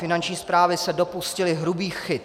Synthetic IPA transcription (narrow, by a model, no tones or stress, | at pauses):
fɪnant͡ʃɲiːspɾaːvɪsɛdo̞puscɪlɪɦɾubiːxxɪt̪